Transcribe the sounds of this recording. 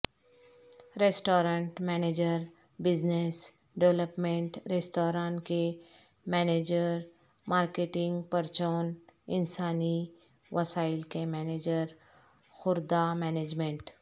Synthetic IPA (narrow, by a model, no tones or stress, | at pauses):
ɾeːsʈoːɾə̃ɳʈmɛːneːd͡ʒəɾ | bɪznes | ɖeʋləpmẽɳʈɾeːsʈoːɾãːnʈke | mɛːneːd͡ʒəɾ | maːɾkeʈɪ̃ŋɡpəɾt͡ʃɔːnɪnsaːni | ʋɐsaːɪlkemɛːneːd͡ʒəɾ | xʊɾd̪amɛːneːd͡ʒmẽɳʈ